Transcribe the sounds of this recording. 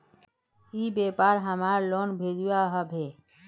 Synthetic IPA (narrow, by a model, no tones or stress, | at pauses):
ibepaɾɦəmaɾlonbʱed͡ʒuaɦəbʱe